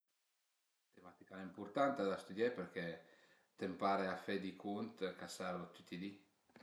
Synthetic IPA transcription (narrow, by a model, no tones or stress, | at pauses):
t̪emat̪ikanaimpuɾt̪ant̪ad̪ast̪ud̪japeɾk̟e | t̪empaɾeafed̪ikʰunt̪kasaɾlot̪ut̪ːid̪i